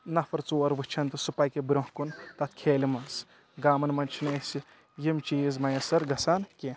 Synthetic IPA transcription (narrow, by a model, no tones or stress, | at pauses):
nɐfɐɾt͡soːɐɾʋɨt͡ʃʰɐnt̪ɨsupɐjkebɾõɦkunt̪ɐt̪ʰkʰeːlimɐns | ɡaːmɐnmɐnt͡ʃʰinesi | jimt͡ʃiːzmɐjɐsɐɾɡɐsaːnkʲe